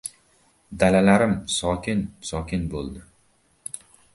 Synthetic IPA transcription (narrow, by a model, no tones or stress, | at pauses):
d̪alalaɾɪmsɒkʲʰɪnsɒkʲɪnbolˠd̪ɪ